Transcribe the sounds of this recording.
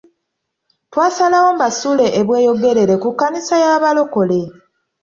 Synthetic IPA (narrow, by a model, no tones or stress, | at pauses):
twaːsalawo̞mbasule̞ʔeβwe̞ːjo̞ɡe̞ɾe̞ɾe̞kukːanisajaːβalo̞ko̞le̞